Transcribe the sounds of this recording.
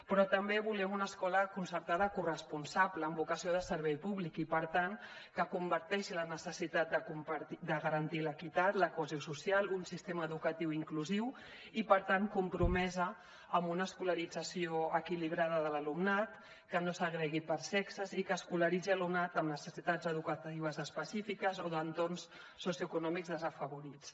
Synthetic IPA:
pɾɔt̪əmbeβulɛmunəskɔləkunsəɾt̪aðəkurəspunsaβləːmbukəsioðəsəɾβɛjpuβlikipəɾt̪aŋ | kəkumbəɾt̪ɛʃilənəsəsit̪at̪̚d̪əkumpɾid̪əɣəɾənt̪iləkit̪at̪ləkuəzosusialˠunsist̪eməːðukət̪iwiŋkluziw | ipəɾt̪aŋkumpɾumɛzəː | mbunəːskuləɾid͡zəsioəkiliβ̞ɾaðəðələlumnat̪ | kənosəɣɾɛɣipəɾsɛksəzikəːskuləɾid͡ziəlumnat̪əmnəsəsit̪ad͡zəðukət̪iβəzəspəsifikəzoðənt̪ornsː | osiuəkunɔmikzðəzəfəβuɾit͡s

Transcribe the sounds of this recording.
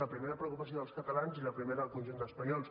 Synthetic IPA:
əpɾimeɾəpɾəukupəsioðəlˠskət̪əlanziləpɾimeɾəəlˠkunʲʒund̪əspəɲɔlˠs

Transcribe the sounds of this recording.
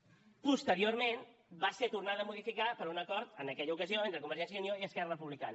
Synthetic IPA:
pust̪əɾioɾmenbaset̪urnaðəmuðifikapəɾunəkɔɾt̪ənəkɛʎəukəzioent̪ɾəkuməɾʒɛnsjəunjoiəskɛrərəpuβlika̰nə

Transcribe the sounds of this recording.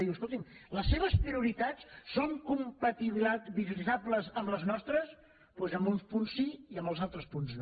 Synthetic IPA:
ðiwəskolˠt̪imləsːeβ̞əspɾiuɾit̪at͡sːoŋkumpət̪iβiβilizabləzəmbləznɔst̪ɾəs | pwezəmbunspunsːiiəmbəlˠzalˠt̪ɾəspunzn

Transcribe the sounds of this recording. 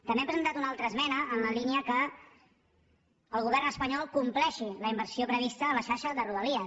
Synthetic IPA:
t̪ə̃mbeɛmpɾəzənt̪at̪unalˠt̪ɾəːzmɛnəʔːnləliniəkə | lˠɣuβ̞ɛɾnəspəɲɔlˠkumplɛʃiləimbəɾsiopɾəβ̞ist̪əːləʃaɾʃəðəruðəliə

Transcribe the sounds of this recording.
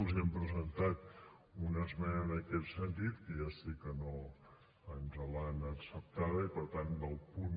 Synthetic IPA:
ziɛmpɾəzənt̪at̪ | unəzmɛnəːnəkɛt̪sənt̪it̪kəjasikəno | ənzəlanəksəp̚t̪aðəipəɾt̪and̪əlˠpun

